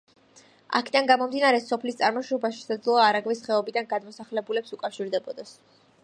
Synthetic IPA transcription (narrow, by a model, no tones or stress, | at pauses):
a̰kʰid̪anɡamɔmd̪inaɾɛsɔpʰlist̪sʼaɾmɔʃɔbaʃɛ̥sad̪zlˠɔaːɾaɡvisχɛɔbid̪anɡad̪mɔsaχlɛbulɛpsukʼafʃiɾd̪ɛbɔd̪ɛs